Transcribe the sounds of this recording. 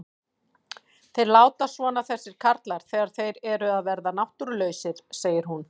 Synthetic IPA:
θejɾlaːwt̪asvɔnaθɛsːɪɾ̥kʰaɾt̪laɾ̥θɛːɣaɾ̥θejɾɛɾʏaðvɛɾðanawht̪ʏɾlœːɥsɪɾ̥seːjɪɾ̥ɦun

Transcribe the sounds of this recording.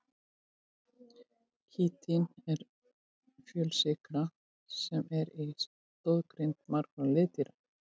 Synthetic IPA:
cʰiːt̪ʰinɛɾ̥ | fjœːlsɪkɾa | sɛmɛɾis | t̪ɔðkɾent̪maɾkɾalɪːt̪iɾa

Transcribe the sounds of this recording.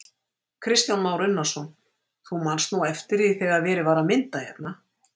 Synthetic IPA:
kʰɾɪst̪janmaːwɾʏnːasɔn | θumanst̪nuɛft̪ɪɾiθɛɣaðvɛːɾɪvaːɾamɪnt̪ajɛ̰pna

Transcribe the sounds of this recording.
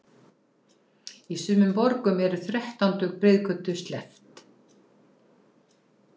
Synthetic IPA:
isʏːmʏmpɔɾkʏmɛɾʏθɾɛht̪awnt̪ʏɣpɾeːjðkʰœt̪ːʏst̪lɛft̪

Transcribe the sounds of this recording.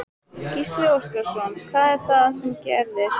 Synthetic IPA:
cist̪lɪoskaɾ̥sɔnkʰvaːðɛɾ̥θaðsɛmcɛɾðɪs

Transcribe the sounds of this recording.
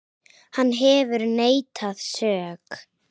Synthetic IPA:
hanːɦɛvʏɾneːjt̪ʰað̥sœːk

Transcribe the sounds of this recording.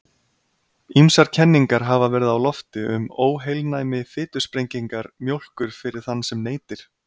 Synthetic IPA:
imsaɾ̥cʰɛnːiŋkaɾɦavavɛɾɪðawlɔft̪ɪʏmoːwɦejlnaːjmɪfɪːt̪ʏ̥spɾejɲciŋkaɾmjowl̥kʏɾ̥fɪɾɪ̥θanːsɛmneːjt̪ɪɾ̥

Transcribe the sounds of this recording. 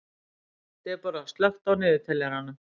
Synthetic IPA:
t̪ɛpaɾast̪lœxt̪awnɪːðɪt̪ʰɛlɛɾanːʏ

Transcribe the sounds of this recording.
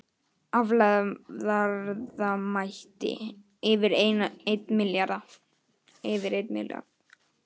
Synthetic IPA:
avlaðaɾðamajht̪ɪ̰ | ɪvɪɾenejt̪mɪljaɾða | ɪvɪɾejt̪mɪ̰lja̰ɾ

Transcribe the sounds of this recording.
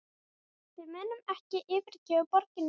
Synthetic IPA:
tɪðmɛːnːʏmɛhcɪʔɪːvɪɾ̥cɛːʏpɔɾcɪnː

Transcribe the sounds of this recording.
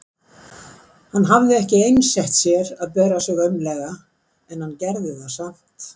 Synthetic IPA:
hanːɦavðɪɛhcɪejnsɛht̪sjɛɾaðpɛːɾasɛɣœpnlɛɣa | ɛnhanːcɛɾðɪθaðsamt̪

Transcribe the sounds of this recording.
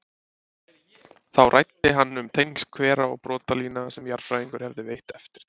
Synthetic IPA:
θawrʔa̰jt̪ːɪɦanːʏmt̪ʰejnskʰvɛːɾaɔ̰ɣpɾɔːt̪aliːnasɛmjaɾ̥fɾajiŋkʏɾ̥hɛvðɪvejht̪ɛft̪ɪ̥ɾ̥

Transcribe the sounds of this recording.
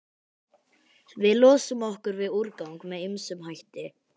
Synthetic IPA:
vɪðlɔːsʏmɔhkʏɾvɪðuɾkawŋkmɛðɪmsʏmɦajht̪ɪ

